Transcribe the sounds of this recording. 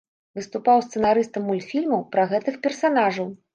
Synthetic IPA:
vɨst̪upawst̪sɨnaɾɨst̪ɐmːulʲt̪fʲilʲmɐwpɾɐɣɛt̪ɨxpʲɛrsanaʐɐw

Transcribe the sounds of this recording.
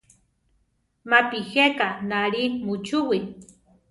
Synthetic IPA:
mapihekanaɾimut͡ʃuwi

